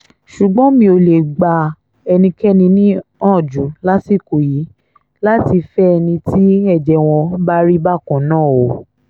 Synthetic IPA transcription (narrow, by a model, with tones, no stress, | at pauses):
ʃu˨ɡ͡bɔ̃˨˦mĩ˧˦o˧le˨ɡ͡ba˧ | ɛ˧nĩ˧kɛ˦nĩ˧nĩ˦ɔ̃˦˨d͡ʒu˨˦la˦si˦˨ko˨ji˨˦ | la˦ti˧fɛ˦ɛ˧nĩ˧ti˦ɛ˦˨d͡ʒɛ˨w̃ɔ̃˧ba˦ɾi˦ba˦˨kɔ̃˨nãː˦˨o˨